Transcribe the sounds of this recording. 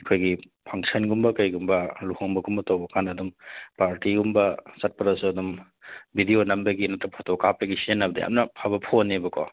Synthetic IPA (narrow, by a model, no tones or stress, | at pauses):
kʰojɡi | pʰɐŋsɐnɡumbɐkɐjɡumbɐluhoŋbɐɡumbɐtɐwbɐkʰanɐdumpaɾtiɡumbɐsɐt̚pɐɾɐsuɐdum | bʱidijonɐmbɐɡinɐtɾɐpʰatowkapɐɡisienːɐbɐdɐja̰mnɐpʰabɐpʰonːebɐkɔ̰